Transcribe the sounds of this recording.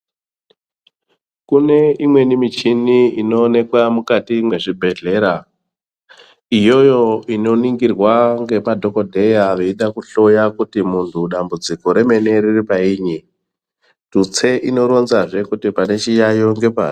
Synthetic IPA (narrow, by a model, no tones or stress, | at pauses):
kune̞imwe̞nimit͡ʃiniino̞ːne̞kwamukatimwe̞ʐibʱe̞ɮe̞ɾa | ijo̞jo̞ino̞niŋɡirwaŋɡe̞padʱo̞ko̞dʱe̞jaʋeiɗakuɬo̞jakutimuntʰuɗambud͡ziko̞ɾe̞me̞ne̞riripaiːɲi | tut͡se̞ʔino̞ɾo̞nzaʐe̞kutipane̞t͡ʃijajo̞ŋɡe̞pa̰ː